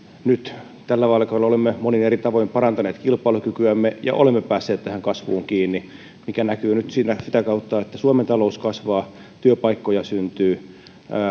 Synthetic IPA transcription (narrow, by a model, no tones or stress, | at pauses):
nyt̪ | t̪ælːæʋɑilɑkɑolːolemːemoninerit̪ɑʋoimpɑrɑnt̪ɑneːt̪kilpˑɑilukykyæmːejɑ̰ʔo̰lemːepæːsːeːt̪t̪æhæŋkɑsʋuːŋkiːnːi | mikænækyːnyt̪siːnæsit̪ækɑut̪ːɑet̪ːæsuoment̪ɑlouskɑsʋɑː | t̪yøpɑikːojɑsynt̪yː